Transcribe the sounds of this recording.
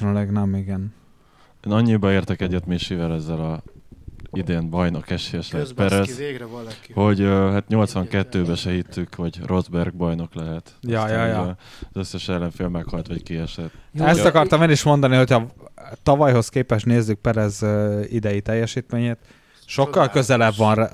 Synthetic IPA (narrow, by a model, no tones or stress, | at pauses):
nylɛɡnɛmiɡɛn | eːnɒɲːibɒeːrt̪ɛkɛɟːɛt̪miʃivɛlɛzːɛlɒ | id̪eːnbɒjnokɛʃejɛʃlɛɦɛtpɛɾɛz | ho̞ɟøɦat̪ɲo̞lt̪sʋɒŋkɛt̪ːøːbɛʃɛɦit̪ːykhɒɟrʔo̞zbɛrɡ̚bɒjno̞klɛɦɛt̪jɒjɒjɒzø̞sːɛʃɛlːɛɱfeːlmːɛkhɒlt̪ʋɒckiɛʃɛt̪ːɛsɒkɒrt̪ɒmeːniʃmo̞nd̪ɒniɦo̞cʰɒt̪ɒvɒjɦo̞skeːpɛʃt̪neːzːyk̚pɛɾɛzøid̪ɛjit̪ɛjːɛʃiːt̪meːɲeːt̪ | ʃo̞kːɒlkø̞zɛlɛbʋɒnr